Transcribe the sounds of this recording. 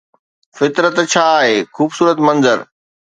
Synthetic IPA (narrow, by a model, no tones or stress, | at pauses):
fɪt̪ɾət̪t͡ɕʰaːɦeːxuːbsuːɾət̪mɐ̃nzəɾ